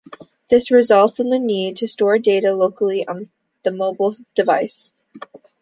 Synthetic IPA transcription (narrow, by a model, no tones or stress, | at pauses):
ðɪsɹɨzʌlˠtsɨ̃nðɨnid̚tʰɨstɔɹdeɪɾɨloʊkl̩ˠiʔə̃n | ðɨmoʊbl̩ˠd̥ɨvaɪs